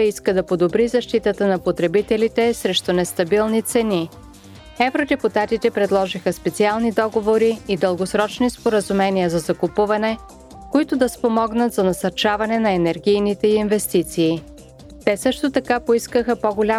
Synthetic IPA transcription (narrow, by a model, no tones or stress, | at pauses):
əiskəd̪ɐpod̪obɾizɐʃt̪it̪ət̪ənɐpot̪ɾɛbit̪ɛlit̪ɛsɾɛʃt̪ʊnɛst̪ɐbilˠnit̪sɛni | ɛvɾod̪ɛput̪at̪it̪ɛpɾɛd̪lˠɔʒixəspɛt̪sialˠnid̪ɔɡovoɾiːd̪əlˠɡosɾɔt͡ʃnispoɾəzumɛniəzɐzɐkʊpuvɐnɛ | koit̪ʊd̪ɐspomɔɡnət̪zɐnɐsɐɾt͡ʃavɐnɛnɐɛnɛɾɡʲijnit̪ɛiinvɛst̪it̪siː | t̪ɛsɤʃt̪ot̪ɐkapoiskəxəpoɡolʲa